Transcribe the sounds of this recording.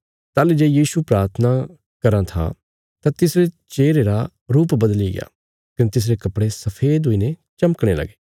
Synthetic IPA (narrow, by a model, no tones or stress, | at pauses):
t̪aːlid͡ʒeːjiːʃupɾaːɾt̪ʰəna | kɐɾãt̪ʰa̰ | t̪ãt̪ɪsɾet͡ʃeːɾeɾa | ɾuːpbɐd̪liɡɪ̰ja̰ː | kɪnet̪ɪs̬ɾekɐpɽesɐpʰeːd̪ɦoinet͡ʃɐməkɽ̃elɐ̰ɡe̥ː